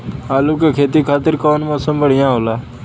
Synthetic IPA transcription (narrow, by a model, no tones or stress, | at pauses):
aːluːkekʰeːt̪ikʰaːt̪ɪɾkɔːnmɔːsəmbəɽɪjãːɦoːlaː